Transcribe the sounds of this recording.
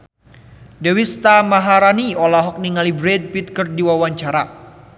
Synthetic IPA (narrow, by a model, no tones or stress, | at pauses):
dewist̪amaɦaɾaniɔlaɦɔk̚niŋalibɾɛd̚pit̪̚kərdiwawaɲt͡ʃaɾa